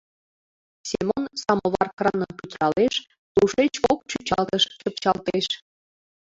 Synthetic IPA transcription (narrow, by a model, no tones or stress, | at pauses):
sʲemonsɑmoβɑrkrɑnənput̪lɑleʃ | t̪uʃet͡ɕok̚t͡ɕut͡ɕɑlt̪əʃt͡ɕəpt͡ɕɑlt̪eʃ